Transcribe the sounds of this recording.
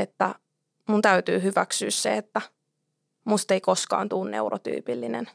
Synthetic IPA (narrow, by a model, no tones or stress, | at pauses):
et̪ːæ | munt̪æyt̪yːhyʋæksyːssḛet̪ːæ | must̪eikoskɑ̰ːnt̪uːnnḛuro̰t̪y̰ːpilːinḛn